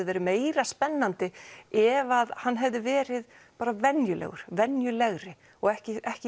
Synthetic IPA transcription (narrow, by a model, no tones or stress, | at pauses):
ʏvɛːɾɪmeːjɾaspɛnːant̪ɪɛvaðhanːɦɛvðʏvɛːɾɪð | paːɾavɛnjʏlɛ̰ɣʏ̰ɾ̥vɛnjʏlɛɣɾɪ | ɔɣɛhcɪʔɛhcɪ